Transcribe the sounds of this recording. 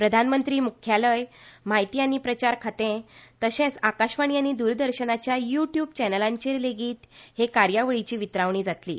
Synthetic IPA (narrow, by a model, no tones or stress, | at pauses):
pɾəd̪ʱanmənt̪ɾiːmukʰjaləjm̤ajt̪ijaniːpɾət͡ɕaɾkʰat̪ẽt̪əɕẽt͡sakaɕʋaɳijañiːd̪uːɾd̪əɾɕənat͡ɕjajuʈjubt͡ɕɛnəlãɲt͡ɕeɾleɡiːt̪hekaɾjaʋəɭit͡ɕiːʋit̪ɾaʋɳ̃iːd͡zat̪lḭː